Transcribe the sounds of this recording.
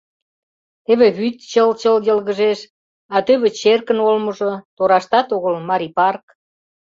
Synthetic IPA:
eβĕβyt̪t͡ɕəlt͡ɕəljəlɣəʒeʃ | ɑt̪øβĕt͡ɕerkənolməʒot̪oɾɑʃt̪ɑt̪oɣəlmɑɾipɑrk

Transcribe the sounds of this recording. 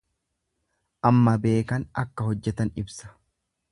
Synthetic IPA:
ʔɐmːɐbe̞ːkɐnɐkːɐɦɔd͡ʒːɛt̪ɐnɪbsɐ̥

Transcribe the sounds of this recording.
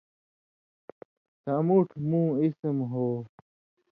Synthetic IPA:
samuʈʰmũːismɦoː

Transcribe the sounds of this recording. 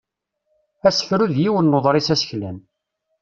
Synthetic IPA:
æsə̥fɾuðjiwənːoðˤɾˤisæsə̥çlæn

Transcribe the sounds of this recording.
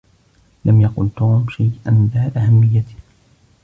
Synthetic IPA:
lamjɑqʊlt̪uːmʃajʔanbaːʔahamːɪjːat̪ɪ̥

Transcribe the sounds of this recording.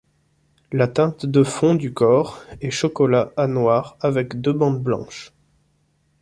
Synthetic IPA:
lat̪ɛ̃t̪d̪əfɔ̃d̪ykɔʁɛʃɔkɔlaanwaʁavɛkd̪øbɑ̃d̪blɑ̰̃ʃ

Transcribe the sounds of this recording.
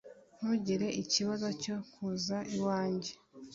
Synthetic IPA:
n̥uɟiɾe̞ʔiciβazo̞co̞kʰuzaʔiwaːɲɟe

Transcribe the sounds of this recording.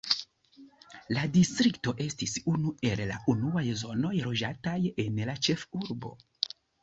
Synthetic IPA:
ladistɾikto̞ʔe̞stisunue̞lla̰ʔunuajzo̞no̞jɾo̞d͡ʒataje̞nlat͡ʃe̞fuɾbo̞̰

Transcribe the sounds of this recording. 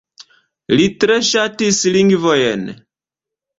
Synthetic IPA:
litɾeʃatisliŋɡvojen

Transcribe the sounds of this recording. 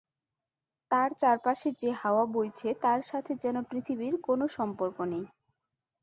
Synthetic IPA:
t̪aɾt͡ɕaɾpaʃed͡ʑehaoabojt͡ɕʰet̪aɾʃat̪ʰed͡ʑɛnopɾit̪ʰibiɾkonoʃɔmpoɾkonej

